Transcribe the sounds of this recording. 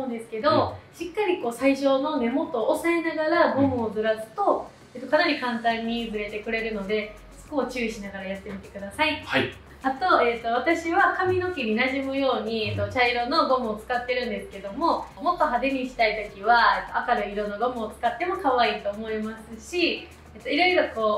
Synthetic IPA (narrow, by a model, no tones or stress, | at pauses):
ɯ̃nd̪e̞sɨ̥ke̞d̪oɕikːaɾʲiko̞ːsaiɕo̞no̞me̞mo̞t̪o̞ːsae̞naɡaɾaɡo̞mɯ̟ːdɨɾaɯt̪o̞ | et̪ːo̞kanaɾʲikãnt̪ãɲ̟ːid͡zɨɾe̞t̪e̞kɯ̟ɾe̞ɾɯ̟no̞d̪e̞ | sɨ̥ko̞ːt͡ɕɨ̟ːiɕinaɡaɾajat̪ːe̞mʲit̪e̞̥kɯ̟d̪asai | at̪o̞e̞t̪ːo̞β̞at̪aɕiβakamʲino̞kʲiɲʲinaʑimɯ̟jo̞ːɲ̟iet̪ːo̞t͡ɕaiɾo̞no̞ɡo̞mɯ̟ːt͡sɨ̥kat̪ːe̞ɾɯ̟̃nd̪e̞sɨ̥ke̞d̪o̞mo̞mo̞t̪ːo̞ɦad̪e̞ɲ̟iɕi̥t̪ait̪o̞kʲiβaet̪ːo̞akaɾɯiɾõ̞nːoɡomɯ̟ot͡sɨ̥kat̪ːe̞mo̞kaβaiːt̪o̞ːmo̞imasɨɕi | et̪ːo̞iɾojɯɾo̞ko̞ː